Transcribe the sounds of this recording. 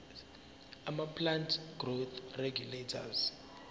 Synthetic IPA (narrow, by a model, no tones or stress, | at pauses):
amapʰlantʰɡ̥rot̪ʰreɡjuletʰa̰z